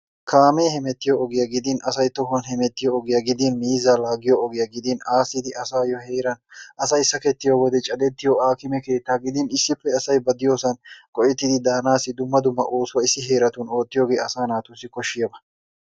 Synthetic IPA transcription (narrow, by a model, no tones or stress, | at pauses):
kʰaːmeːhɛmɛt̪ːɪjɔːɡɪjɐɡɪd̪ɪnɐsɐjt̪ɔɦɐnhɛmɛt̪ːɪjɔːɡɪjɐɡɪd̪ɪnmiːzaːlaːɡɪjɔːɡɪjɐɡɪd̪ɪnaːsɪd̪ɪʔɐsaːjɔheːɾɐnʔɐsɐjsɐkɛt̪ːɪjoːwɔd̪ɛt͡ʃʼɐd̪ɛt̪ːɪjoaːkɪmɛke̞ːt̪ːaːɡɪd̪ɪnɪsːɪpːɛɐsɐjbɐd̪ɪjoːsɐnkʼɔʔɪt̪ːɪd̪ɪd̪aːnaːsːɪd̪ʊmːɐd̪ʊmːɐ̰ʔoːsʊwɐɪsːɪɦe̞ːɾɐt̪uno̞ːt̪ːɪjoːɡeːɐsaːnaːt̪ʊsːɪkɔʃːɪjɐbɐ̥